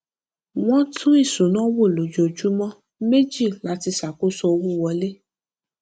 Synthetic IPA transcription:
w̃ɔ̃˦tʰũ˦i˦˨sũ˨˦nɔ̃˦wo˦˨lo˨d͡ʒo˨d͡ʒu˨˦mɔ̃˦ | me˦d͡ʒi˦˨la˦ti˧sa˨ko˦sɔ˧o˧wu˦˨wɔ˧le˦

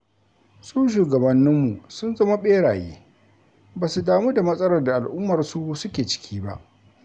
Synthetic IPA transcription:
suː˦ʃ̬uː˨ɡɐ˨bɐ˨nːɪ˦mːu˨sʊ˦nzɐ˦ma˦ɓeː˦ɽaː˨jḛː˦ | baː˨su˨daː˨mu˦da˨mɐ˦sʼɐ˦ɾɐ˨rda˨ʔa˨lʔʊ˦mːɐ˨rsu˦sʊ˦kʲeː˨t͡ʃɪ̥˦kʲʰiː˦ba̰˦ʔ

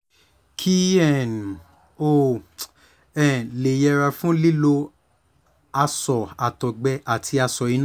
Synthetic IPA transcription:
kʰi˦ɛ˦˨n˨ | o˦˨ | ɛ˦˨le˨jɛ˨˧ɾa˧fũ˦li˦lo˧ | a˧sɔ˨a˨tɔ˨ɡ͡bɛ˧ʔa˨tʰi˧a˧sɔ˨i˨˧n˦

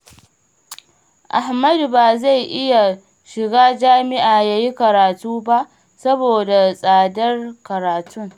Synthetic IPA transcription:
ʔa˨hmɐ˦dbaː˨za˦˨jʔɪ˦ja˨ | ʃɪ˨ɡaː˦d͡ʒaː˦mɪ˦ʔaː˨jaː˦ji˦kɐ˨ɾaː˨tuː˦ba˦ʔ | sɐ˦boː˨da˨sʼaː˨dɐ˦rkɐ˨ɾaː˨tʊ˦ŋ

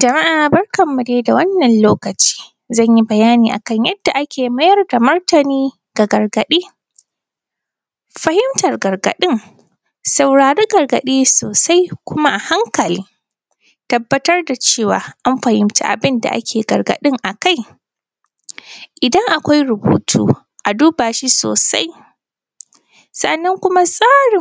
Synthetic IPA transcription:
d͡ʒɐ˨ma˦ʔaː˨bɐ˦rkɐ˨mːu˨deː˦da˨wɐ˦nːɐ˨nloː˦kɐ˨t͡ʃi̥ː˦ | zɐ˦˨ɲji˦bɐ˨jaː˦niː˨ʔa̰˨kɐ˦ɲjɐ˦d̥ːa˨ʔa˦kʲeː˨mɐ˦jɐ˦rda˨mɐ˦rtɐ˨niː˦ | ɡ̥a˨ɡɐ˨rɡɐ˨ɗeː˦ | ɸɐ˦hɪ˦mtɐ˨rɡɐ˨rɡɐ̰˨ɗɪ˦ŋ | sɐ˨wɽaː˨ɾeː˦ɡɐ˨rɡɐ̰˨ɗiː˦soː˨sa˦jkʷʊ˦ma˦ʔa˨ha˦ŋkɐ˨liː˦ | tɐ˦bːɐ˦tɐ˦rda˨t͡ʃeː˦˨wa̰ː˨ʔa˦mɸɐ˨hɪ˦mta̰˦˨ʔa̰˨bɪ˦nda̰˨ʔa̰˦kʲeː˨ɡɐ˨rɡɐ̰˨ɗɪ˦ŋʔa˨ka˦j | ʔɪ˨dɐ˦ŋʔa˨kʷa˦jɾʊ˨bṵː˦tʰṵː˦ | ʔa˨duː˦baː˨ʃi˦so̰ː˨sa̰˦j | sɐ̰˦˨ʔnːɐ˦ŋkʷʊ˦ma˦sʼaː˦ɽɪ˨

